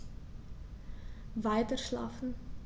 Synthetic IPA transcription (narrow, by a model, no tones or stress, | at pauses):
vaɪtərʃlɑ̰ːfn̩